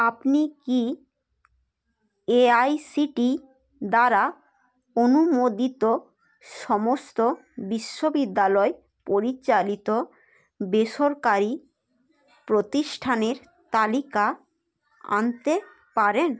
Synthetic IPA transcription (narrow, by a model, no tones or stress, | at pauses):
apniki | eajsiʈi | d̪aɾa | onumod̪it̪o | ʃɔmost̪o | biʃːobid̪ːalɔe | poɾit͡ɕalit̪o | beʃoɾkaɾi | pɾot̪iʃʈʰaneɾ | t̪alika | a̰nt̪e | paɾen